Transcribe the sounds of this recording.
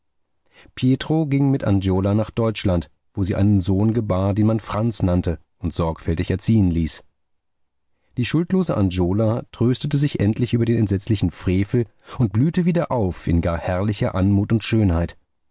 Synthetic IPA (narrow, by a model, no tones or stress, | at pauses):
pʰjeːtʁ̥oɡɪŋmɪtʔa̰nd͡ʒoːlanaːχd̥ɔʏt͡ʃlant | v̥oːziːʔa̰ɪnənzoːnɡəbaːɐdeːnmanfʁ̥ant͡snantə | ʊntz̥ɔɐkfɛltɪçɛɐt͡siːənliːs | d̥iːʃʊltloːzəʔand͡ʒoːlatʁ̥øːstətəzɪçʔɛntʰlɪçʔyːbɐdeːnɛntzɛt͡slɪçn̩fʁ̥eːfl̩ | ʔʊnt̚b̥lyːtəviːdɐʔaʊfɪ̰nɡaːɐhɛɐlɪçɐʔanmuːtʊntʃøːnhaɪt